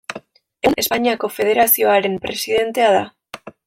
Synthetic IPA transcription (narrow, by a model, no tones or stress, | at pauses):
ene̞spaɲiako̞fe̞ð̞e̞ɾasio̞aɾe̞mpɾe̞sið̞e̞nt̪e̞aða